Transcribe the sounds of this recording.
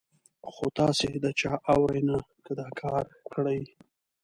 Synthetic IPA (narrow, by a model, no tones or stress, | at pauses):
xot̪ɑsed̪ət͡ʃɑʔawɾajnakəd̪ɑkʰɑɾkəɽaj